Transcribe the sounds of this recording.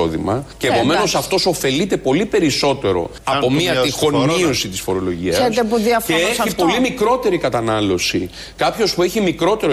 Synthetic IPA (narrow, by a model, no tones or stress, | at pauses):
oðimɐceːpo̞me̞no̞sɐft̪o̞so̞fe̞lit̪e̞po̞lipe̞ɾiso̞t̪e̞ɾo̞̰ | ɐpo̞miɐt̪ixo̞nmio̞sit̪isfo̞ɾo̞lo̞ʝiɐt̪epuðiɐfeesipolimikɾo̞t̪e̞ɾikɐt̪ɐnɐlo̞si | kɐpço̞spue̞çimikɾo̞t̪e̞ɾo